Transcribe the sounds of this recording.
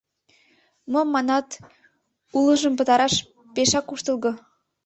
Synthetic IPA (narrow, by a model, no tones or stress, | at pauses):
momːɑnɑt̪ | uləʒəmpə̆t̪ɑɾɑʃ | peʃɑkuʃt̪əlˠɣɤ̆